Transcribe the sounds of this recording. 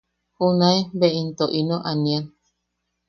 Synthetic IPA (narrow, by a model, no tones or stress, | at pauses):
hunaebeint̪oʔinoʔanian